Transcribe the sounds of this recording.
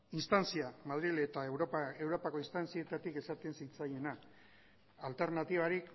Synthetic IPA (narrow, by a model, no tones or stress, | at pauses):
inst̪ant͡siamaðɾile̞t̪aewɾoe̞wɾo̞pako̞ist̪ant͡sie̞t̪at̪ike̞sat̪e̞nsit͡saje̞na | alt̪e̞ɾnat̪iβ̞aɾik